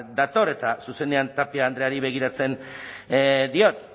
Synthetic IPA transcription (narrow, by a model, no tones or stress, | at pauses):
d̪at̪o̞ɾe̞t̪asuse̞ne̞ant̪apiaːnd̪ɾe̞aɾiβe̞ɣ̞iɾat͡se̞n | d̪io̞t̪